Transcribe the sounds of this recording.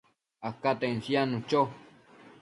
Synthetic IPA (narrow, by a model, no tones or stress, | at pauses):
akat̪ensjanũt͡ʃo